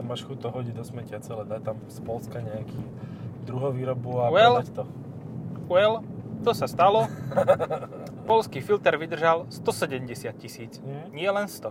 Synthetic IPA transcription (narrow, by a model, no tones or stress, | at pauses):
maʃxut̪ɔɦɔɟid̪ɔsmɛcɪat͡sɛlɛd̪at̪amspɔlskaɲɛakʰiː | d̪ɾuɦɔʋiːɾɔbuaɛlt̪ɔ | uɛlt̪ɔsast̪alɔ | pɔlskiːfilt̪ɛɾʋid̪r̩ʒalst̪ɔsɛɟɛmɟɛsɪat̪̚cisiːt͡sɲɪɛlɛnst̪ɔ